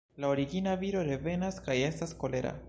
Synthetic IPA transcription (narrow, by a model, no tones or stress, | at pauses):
lao̞ɾiɡinaviɾo̞ɾe̞ve̞naskaje̞stasko̞le̞ɾa̰